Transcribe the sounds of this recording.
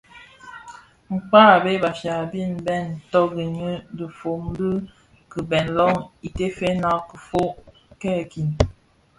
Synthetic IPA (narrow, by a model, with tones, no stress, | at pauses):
ŋ͡m̩˨k͡paː˦˨be˦ba˨fja˨bi˦˨nbɛ˦˨n̩˨tɔ˦ɡi˨ɲə˦də˨fo˨mdə˦ | kə˨bɛ˨nlɔ˦ŋi˨te˦fe˦na˦kə˨fo˦ | kɛ˦˨ki˨n